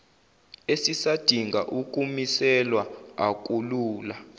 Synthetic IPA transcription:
esisad̥ʱiŋɡʱaʔuk̬ʼumisɛlwaak̬ʼuluːla

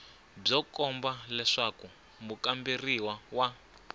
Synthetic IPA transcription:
b͡ʐɔkɔmbalɛʂaku | mukambiriwawa

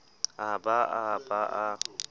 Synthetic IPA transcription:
abaʔabaʔa

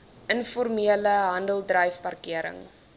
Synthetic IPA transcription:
ʔənfɔrmiələɦɐndəlˠdrœjfpɐrkiəɾə̰ŋ

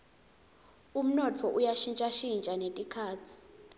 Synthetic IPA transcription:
um̩nɔt͡fʰɔʔujaʃint͡ʃʼaʃint͡ʃʼanetʼikʰaːt͡sʰi̥

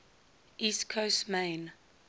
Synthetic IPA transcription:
ʔiskʰostmẽɪn

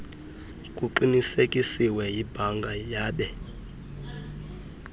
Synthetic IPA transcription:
kʼuǃinisekʼisiwɛjibʱaŋɡʱajaːɓɛ

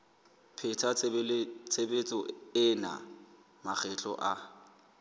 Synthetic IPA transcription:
pʰɪtʰa | t͡sʰebet͡sʼɔɪna̰ | mak͡xʰɛt͡ɬʼɔ̰ʔa

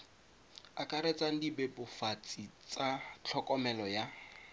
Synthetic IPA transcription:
akʼaɾet͡sʼaŋ̩dibɛbʊfat͡sʼit͡sʼat͡ɬʰɔkʼɔmɛlɔja

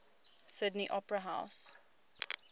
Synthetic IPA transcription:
sɪdniʔɔpɹəɦaʊs

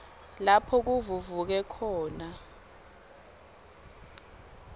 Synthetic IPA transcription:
lapʰɔk̬uvuvuk̬ɛkʰɔːna

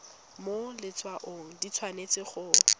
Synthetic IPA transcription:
molɪt͡sʼwaʔoŋ̩dit͡sʰwanet͡sɪχʊ

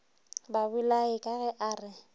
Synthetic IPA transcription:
babʊlaɪkʼaɣɛʔaːrɪ

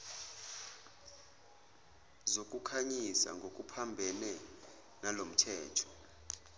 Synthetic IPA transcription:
zokʼukʰaɲisa̰ŋɡʱokʼupʰambʱɛnɛ | nalom̩tʰɛːtʰɔ̥

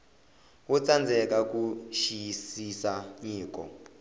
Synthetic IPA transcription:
wut͡sʼand͡zʱɛkʼak̬ʼuʃijisisaɲiːk̬ʼɔ̰

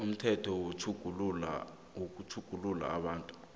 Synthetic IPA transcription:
um̩tʰɛtʰɔwotʰuɡ̥ʱulla̰ | ok̬utʰuɡ̥ʱulula̰ːɓaːntʼu̥

